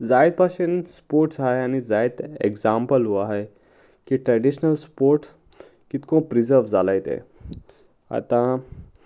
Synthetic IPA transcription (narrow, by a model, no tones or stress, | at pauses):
d͡zajd̪̚paɕenspoɾʈsaɦeañid͡zajt̪ḛɡd͡zampəlɦuaɦe | kiːʈɾəɖiɕnəlspoɾʈ | kit̪kõpɾid͡zəɾʋd͡zalajt̪ḛ | a̰t̪ã